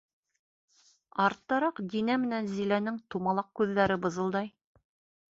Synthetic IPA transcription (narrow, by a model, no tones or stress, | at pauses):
ɑɾt̪ːɑɾɑqd̪inæmɘ̆nænzilænɘŋt̪umɑlˠɑq̚kʉðːæɾɘbɤ̆zɤ̆lˠd̪ɑj